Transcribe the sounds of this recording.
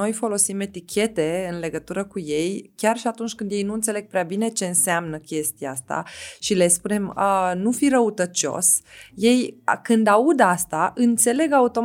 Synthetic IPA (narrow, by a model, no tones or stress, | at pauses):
o̞jfo̞lo̞sime̞t̪ikʲʰe̞t̪e̞ɨnle̞ɡət̪uɾəkuje̞jkʲarʃiat̪unt͡ʃʲkɨnd̪jejnuɨnt̪se̞le̞ɡ̚pɾeabine̞t͡ʃe̞ɨnseamnəkʲe̞st̪iaast̪a̰ʃile̞spune̞mənufiɾəut̪ət͡ʃo̞̰sje̞jkɨnd̪aud̪ast̪aʔɨnt̪se̞le̞ɡaut̪o̞